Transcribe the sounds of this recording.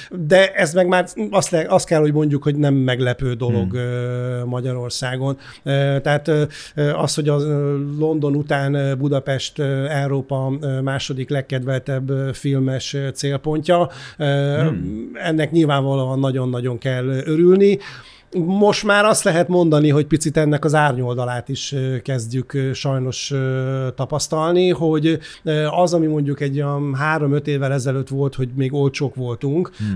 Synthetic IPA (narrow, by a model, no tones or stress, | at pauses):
d̪ɛʔɛzmɛɡmaːrɒst̪lɛɒst̪̚kɛlho̞ɟmo̞ɲɟukho̞ɟnɛmːɛɡlɛpøːd̪o̞lo̞ɡømɒɟɒɾo̞rsaːɡo̞n | øt̪ɛaːt̪ː | øɒst̪ho̞ɟɒlo̞nd̪o̞nut̪aːnbud̪ɒpɛʃt̪øɛuɾoːpɒmaːʃo̞d̪iklɛkːɛd̪vɛlt̪ɛbːøfilmɛʃt̪seːlpo̞ɲcɒø | ɛnːɛkɲilvaːɱvɒloːɒnːɒɟo̞nːɒɟo̞ŋkɛlːøɾylni | mo̞ʃt̪maːɾɒst̪lɛɦɛt̪mo̞nd̪ɒniɦo̞ɟ̚pit̪sit̪ɛnːɛkɒzaːrɲo̞ld̪ɒlaːt̪iʃøkɛzɟykʃɒjno̞ʃøt̪ɒpɒst̪ɒlniɦo̞ɟøɒzɒmimo̞ɲɟukɛɟɦaːɾo̞mø̞t̪eːvːɛlɛzɛløːt̪ʋo̞lt̪ho̞ɟmeːɡo̞lt͡ʃoːkʋo̞lt̪uŋk